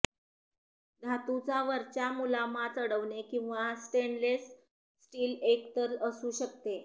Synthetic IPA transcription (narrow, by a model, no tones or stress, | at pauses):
d̪ʱat̪ut͡saʋəɾt͡ɕjamulamat͡səɽəʋɳekĩw̃ʋasʈeɳlesː | ʈiːlekt̪əɾəsuːɕəkt̪e